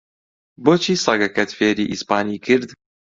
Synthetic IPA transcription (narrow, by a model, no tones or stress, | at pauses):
bɔt͡ɕisaɡakɛt̪fʲɛɾiʔispanʲikiɾd̪